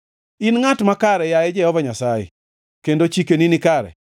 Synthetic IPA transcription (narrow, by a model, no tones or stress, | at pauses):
ɪnŋatmakaɾɛjajɛd͡ʒɛhɔvaɲasajḛ | kendot͡ʃikeninikaɾɛ̰